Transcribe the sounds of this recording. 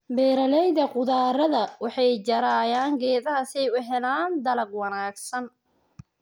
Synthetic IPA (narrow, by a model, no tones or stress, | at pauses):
bɛːɾɐlɛjðɐqʊðaːɾɐðɐwɑħɑjd͡ʒɐɾaːjaːŋɡɛːðɐɦɐsɛjʊɦɛlaːnd̪ɐlɐɡwɑnaːɡsɐn